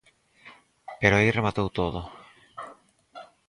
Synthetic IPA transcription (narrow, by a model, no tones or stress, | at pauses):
peɾoaejremat̪owt̪oðo